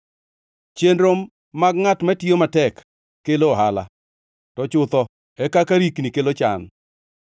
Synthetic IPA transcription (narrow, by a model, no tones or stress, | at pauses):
t͡ʃenɾomː | aɡŋatmɛtjomatɛkː | eloɦala̰ | tɔt͡ʃʊt̪ɔ | ɛkakaɾiknikelot͡ʃa̰n